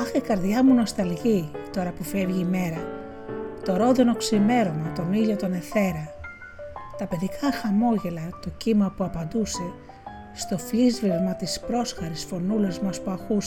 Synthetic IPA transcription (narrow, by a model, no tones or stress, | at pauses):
ɐxekɐɾðʝɐmuno̞st̪ɐlʝit̪o̞ɾɐpufe̞vʝiːme̞ɾɐ | t̪o̞ɾo̞ðono̞ksime̞ɾo̞mɐt̪o̞niʎo̞t̪o̞ne̞θe̞ɾɐ | t̪ɐpe̞ðikʰɐxɐmo̞ʝe̞lɐt̪o̞cimɐpuɐpɐnd̪use̞ | st̪o̞flizvivmɐt̪ispɾo̞sxɐɾisfo̞nulɐzmɐspuɐxus